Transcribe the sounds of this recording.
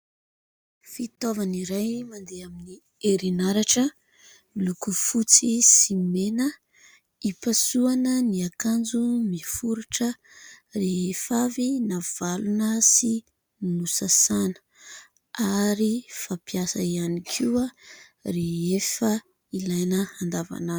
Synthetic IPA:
fit̪ovaniɾajmand̪eamini | eɾinaɾaʈ͡ʂə | lukufut͡sisimenə | ipasuanəniakand͡zumifuɾuʈ͡ʂə | reefavinav̥alunəsi | nusasanə̥ | aɾifapiasaianikʰia | reefə | ilajnəand̪ava̰nani̥

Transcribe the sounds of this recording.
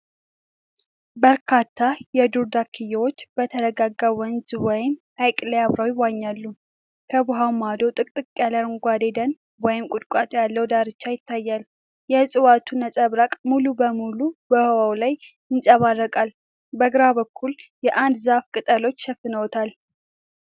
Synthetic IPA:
bəɾkʰat̪ʰːajɛd̪uɾd̪akʰɨjːɛwo̞t͡ʃːb̥ət̪ʰəɾəɡaɡːawɔnzwɔjɪm | ajkʼləjaβɾawjɪwːaɲːalːu | kʰəbʊɦawmad̪o̞t̪ʼɨkʼt̪ʼɨkʼjaləɾŋɡʷad̪ed̪ən | wɔjɪmkʼʊd̪kʷʼat̪ʰʼjalːəwd̪aɾɨt͡ʃːajɪt̪ʰːajːal | jɛsʼɨwat̪ʰunəsʼəβɾakʼmulubəmulubəhəwawlaj | ɪnsʼəβarːəkʼal | bəɡɨɾaβəkʰːuljɛʔand̪zafkʼɨt̪ʼəlo̞t͡ʃːʃəfɨnəwɔt̪ʰal

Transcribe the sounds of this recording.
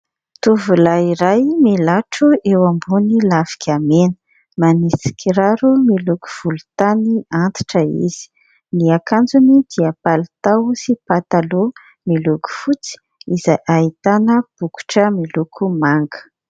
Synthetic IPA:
t̪uvulaiɾajmilaʈ͡ʂuʔewambunilavi̥kʲʰamenə̥ | manisi̥kʰiɾaɾumiluku̥v̥ulu̥t̪aniant̪i̥ʈ͡ʂəḭz̥i̥ | niakand͡zunid̪iapalit̪awsipat̪alo | miluku̥fut͡si̥ | izajʔaɦit̪anəb̥uku̥ʈ͡ʂəmilukʰumaŋɡə̥

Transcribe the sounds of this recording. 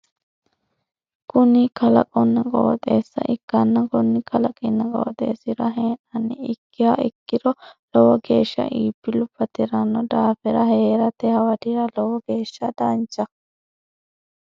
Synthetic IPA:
kʊnikɐlɐ̰kʼɔnːɐkʼo̰ːt̪ʼḛːsːɐ̰ʔɪkːɐnːɐkɔnːɪkɐlɐkʼɛnːɐkʼɔ̰wɔt̪ʼḛːsɪɾɐɦeːnɐnːɪɪkːɪhaːɪkːɪɾɔlɔwɔɡeːʃːɐ̰ʔiːpːɪlʊpːɐt̪ɪɾɐnːɔd̪aːfɛɾɐheːɾɐt̪ɛhɐwɐd̪iɾɐlɔwɔɡe̞ːʃːɐd̪aːnt͡ʃːɐ

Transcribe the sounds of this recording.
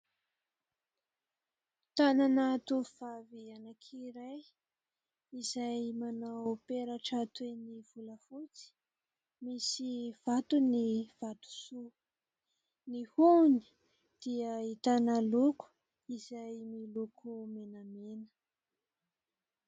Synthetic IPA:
t̪ananat̪uv̥avianakʰiɾaj | izajmanawpeɾaʈ͡ʂat̪weniv̥uləfut͡si̥ | misiv̥at̪univ̥at̪u̥su | nihuni̥ | d̪̥iəit̪anəluku̥ | izajmilukʰumenamenə̥

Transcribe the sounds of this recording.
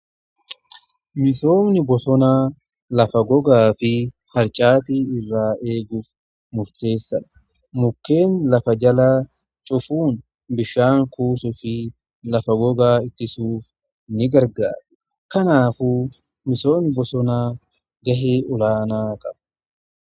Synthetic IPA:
mɪso̞ːmnɪbɔsɔnaː | lɐfɐɡɔɡaːfɪ | hɐɾt͡ʃʼaːt̪iːɪrːaːʔe̞ːɡuːf | mʊɾt̪e̞ːsːɐᶑɐ̥ | mʊkːe̞ːnlɐfɐd͡ʒɐlaː | t͡ʃʼʊfuːn | bɪʃːaːŋkuːsʊfɪ | lɐfɐɡɔɡaːɪt̪ːɪsuːf | nɪɡɐɾɡa̰ːɾɛ̥ | kɐnaːfuː | mɪso̞ːnɪbɔsɔnaː | ɡɐɦeːʊlaːnaːkʼɐb

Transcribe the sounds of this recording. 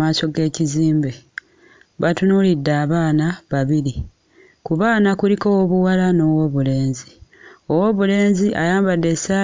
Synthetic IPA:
aːso̞ɡe̞ːciziːmbe | βatunulidːaːβaːnaβaβiɾi | kuβaːnakulikowoβuwalano̞woβule̞ːnzio̞wo̞βule̞ːnziʔa̰jaːmbadːe̞sa

